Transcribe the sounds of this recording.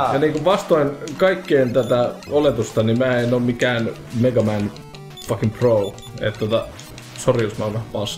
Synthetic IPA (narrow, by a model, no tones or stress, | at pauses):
jɑniːŋkuʋʋɑst̪oinkɑikːeːnt̪æt̪æolet̪ust̪ɑnimæːenoːmmikæːn | meɡɑmæn | fɑkimprou | ḛt̪t̪ot̪ɑ | soriosmɑoʋæhæpɑːs